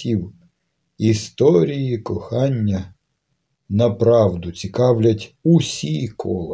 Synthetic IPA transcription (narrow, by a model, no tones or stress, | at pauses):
iw | ist̪ɔɾʲijikɔxɑnʲːɐ | nɐpɾɑwd̪ʊt͡sʲikɑwlʲɐtʲusʲikʰɔlˠɔ